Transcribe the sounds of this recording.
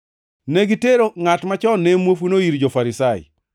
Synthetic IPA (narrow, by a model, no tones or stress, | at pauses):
neɡiteɾoŋatmat͡ʃɔnemwofunoiɾd͡ʒofaɾɪsaɪ̰